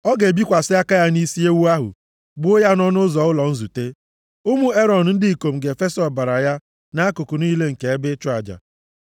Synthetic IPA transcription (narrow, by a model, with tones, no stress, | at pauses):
ɔ˦ɡe˨bi˦kʷa˨sɪ˦a˦ka˦ja˦ni˦si˦e˦wu˦a˦ɦʊ̰˨ | bʊ˦ja˦nɔ˦nʊ˦zɔ˨ʊ˦lɔ˨n̩˦zu˨te˦ | ʊ˦mu˦e˦ɾɔ˨n̩˨n̩˦dɪ˦i˨ko˨m̩˨ɡe˨fe˦sɔ˨ba˨ɾa˨ja˦ | na˦kʊ˨kʊ˨ni˦le˦ŋ̩˨ke˨e˦bɪ˦t͡ʃʊ˦a˨d͡ʒa̰˨